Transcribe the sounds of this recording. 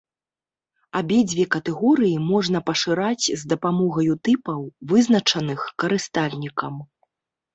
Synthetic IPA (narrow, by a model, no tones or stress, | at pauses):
abʲɛd͡zʲvʲɛkɐt̪ɛɣɔɾɨjimɔʐnɐpɐʂɨɾat͡sʲzd̪ɐpamɔɣɐjut̪ɨpɐwvɨznɐt͡ʂɐnɨxkɐɾɨst̪alʲnʲikɐm